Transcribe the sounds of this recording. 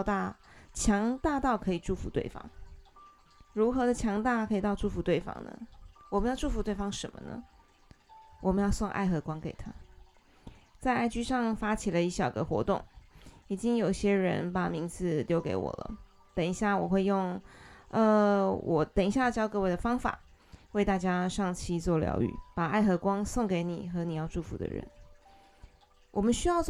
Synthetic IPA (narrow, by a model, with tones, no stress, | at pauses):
t̪a˥˧t͡ɕʰjɑ˧˥ŋt̪a˥˧t̪ɑ˥˩ʊkʰɤ˧˥i˨˩ʈ͡ʂu˥˩fu˧˥t̪wḛ˥˩ɪfɑ̰˧˥ŋ | ɻu˧˥xɤ˧˥d̪ə˧t͡ɕʰjɑ˧˥ŋt̪a˥˧kʰɤ˧˥i˨˩t̪ɑ˥˧ʊʈ͡ʂu˥˩fu˧˥t̪we˥˩ɪfɑ̰˥ŋnə̰˨wɔ˨˩mə˧˦jɑ˥˧ʊʈ͡ʂu˥˧fu˧˥t̪we˥˩ɪfɑ˥ŋʂə˧˥nmə˧nə̰˨˩ | wʔɔ˨˩mə˧˦jɑ˥˧ʊswɑ˥˧ŋʔa̰˥˧ɪxɤ˧˥kwɑ˥ŋke˨˩ɪt̪ʰa˦ | t͡sa˥˧ɪa˥˩ɪt͡ɕy˥ʂɑ˥˩ŋfa˥t͡ɕʰi˨˩lə˦i˥˩ɕjɑ˨˩ʊɡə̰˧xwɔ̰˧˥t̪ʊ̰˥˩ŋi˨˩t͡ɕi˥ŋjo˨˩ʊi˧˩ɕjɛ˥ɻə̰˧˥npa˨˩mi˧˥ŋt͡sʰɹ̩˨˩ljo˧˥ʊke˧˥ɪwɔ̰˨˩lə̰˦ | t̪ə˨˩ŋi˧˥ɕja˥˩wɔ˨˩xwe˥˧ɪjʊ˥˩ŋə˧wʔɔ˨˩t̪ə˨˩ŋi˥ɕja˥˩˧t͡ɕjɑ˥ʊkɤ˥˧we˥˩ɪ̥ə˨fɑ˥ŋfa̰˨˩˦ | we˥˧ɪt̪a˥˩t͡ɕja˥ʂɑ˥˩ŋt͡ɕʰi˥t͡swɔ˥˩ljɑ̰˧˥ʊy̰˥˩pa˨˩a˥˩ɪxɤ˧˥kwɑ˥ŋsʊ˥˩ŋke˧˥ɪnḭ˨˩xɤ˧˥ni˨˩jɑ˥˧ʊʈ͡ʂu˥˩fṵ˧˥d̪ə̰˧ɻə̰˧˦n | wʔɔ˨˩mə˦nɕy˥jɑ˥˧ʊ